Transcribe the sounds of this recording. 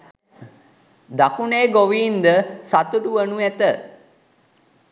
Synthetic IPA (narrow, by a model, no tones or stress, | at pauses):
d̪akuneːɡoʋiːnd̪əsat̪uɖuʋənuæt̪ə